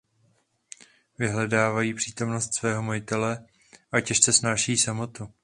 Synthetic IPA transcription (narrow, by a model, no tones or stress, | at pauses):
vɪɦlɛdaːvajiːpr̥iːt̪o̞mno̞st̪svɛːɦo̞majɪt̪ɛlɛ | ʔacɛʃt͡sɛsnaːʃɛjːsamo̞t̪u